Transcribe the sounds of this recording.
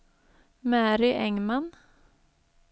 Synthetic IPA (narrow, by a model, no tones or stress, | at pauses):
mæːɾɪʔɛŋman